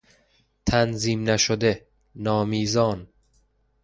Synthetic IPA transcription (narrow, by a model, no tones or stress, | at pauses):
t̪ʰænziːmnæʃod̪e | nɒːmiːzɒːn